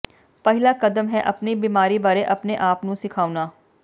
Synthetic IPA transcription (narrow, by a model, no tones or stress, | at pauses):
pɛɦɪlaːkəd̪əmɦɛʔɐpnibiːmaːɾiːbaːɾeʔɐpneʔaːpnũsɪkʰaːunaː